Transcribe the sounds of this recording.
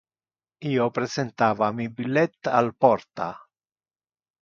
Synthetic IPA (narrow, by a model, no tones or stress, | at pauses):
iːopɾesent̪aːvamibilːɛt̪ːa̰lpɔrt̪a̰